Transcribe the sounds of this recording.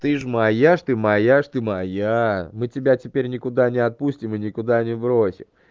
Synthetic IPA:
t̪ɨʐmɐjaʂt̪ɨmɐjaʂt̪ɨmɐjamɨtʲɪbʲatʲɪpʲeɾʲnʲɪkʊd̪anʲɪɐt̪̚pusʲtʲɪmɨnʲɪkʊd̪anʲɪbɾosʲɪ̰m

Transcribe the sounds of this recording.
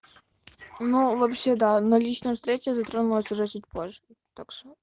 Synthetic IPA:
nuvɐpɕːed̪anɐlʲit͡ɕnəjfst̪ɾʲet͡ɕʲɪzɐt̪ɾonʊlˠəsʲʊʐɛt͡ɕut̚ʲpoʐːɨ | t̪akʂo

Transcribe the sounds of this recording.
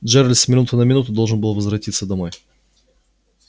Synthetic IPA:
d͡ʒɛɾɐlʲsmʲɪnut̪ənɐmʲɪnut̪ʊd̪ɔlˠʒənbɨlˠvɐzvɾɐt̪ʲit̪səd̪ɐmɔj

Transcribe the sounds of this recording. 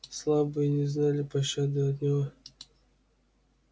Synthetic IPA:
slˠabɨjnʲɪznalʲɪpɐɕːad̪ɨɐd̪nʲɪvo

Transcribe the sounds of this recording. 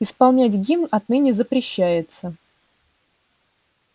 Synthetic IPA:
ɪspɐlˠnʲætʲɡʲinɐt̪nɨnʲɪzəpɾʲɪɕːæjɪt̪sə

